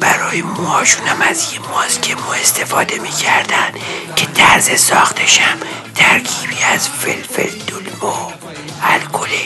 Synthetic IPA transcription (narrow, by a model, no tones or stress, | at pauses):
b̥æɾɒːjemoɒːʃunæmæzjemoːzkʰemuːe̞st̪ʰefɒːd̪e̞miːkʰæɾd̪ænd̪̥cʰet̪ʰæɾzesɒːxt̪ʰeʃæm | t̪ʰæɾkʰiːbiːæzfḛlfḛld̪olvo | ælkʰole